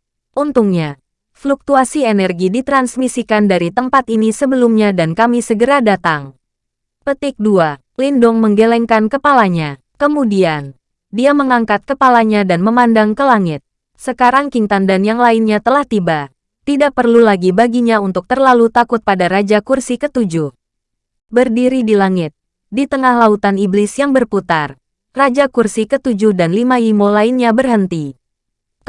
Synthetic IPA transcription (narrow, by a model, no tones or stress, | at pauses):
ʔunt̪uŋɲa | fluk̚t̪uasienɛrɡidit̪ɾansmisikandaɾit̪əmpat̪inisəbəlumɲadankamisəɡəɾadat̪aŋ | pət̪ɪk̚dua | lindʊŋməŋɡelɛŋkankəpalaɲa | kəmudian | diaməŋaŋkat̪̚kəpalaɲadanməmandaŋkəlaŋɪt̪̚ | səkaɾaŋkiŋt̪andanjaŋlaɪnɲat̪əlaht̪ibaː | idaʔ̚pərlulaɡibaɡiɲaunt̪ʊk̚t̪ərlalut̪akʊt̪̚padaɾad͡ʒakursikət̪ud͡ʒʊh | bərdiɾidilaŋɪt̪̚ | dit̪əŋahlaut̪aniblɪsjaŋbərput̪ar | rad͡ʒakursikət̪ud͡ʒʊhdanlimaimolaɪnɲabərɦənt̪i